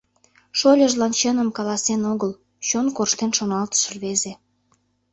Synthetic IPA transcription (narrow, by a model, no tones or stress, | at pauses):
ʃolʲəʒlɑnt͡ɕənəmkɑlɑsenoɣəl | t͡ɕonkorʃt̪enʃonɑlt̪ə̥ʃəlβeze